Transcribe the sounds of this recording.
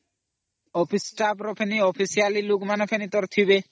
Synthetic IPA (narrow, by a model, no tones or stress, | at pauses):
ɔpʰisʈapɾopʰeniɔpʰisialilukmanepʰenit̪ɔɾt̪ʰibe